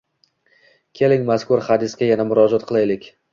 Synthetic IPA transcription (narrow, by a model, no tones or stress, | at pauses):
kʲʰe̞lɪŋmaskʊɾhad̪ɪsɡʲajanamʊɾɒd͡ʒɒt̪̚qʰɨlˠajlɪkʲ